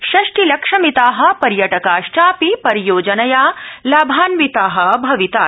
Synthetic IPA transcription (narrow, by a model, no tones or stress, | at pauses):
ʃɐʂʈilɐkʂɐmit̪aːɦɐ̆pɐɾjɐʈɐkaːʃʈaːpipɐɾijoːd͡ʒɐnɐjaːlaːbʱaːnʋit̪aːɦɐ̆bʱɐʋit̪aː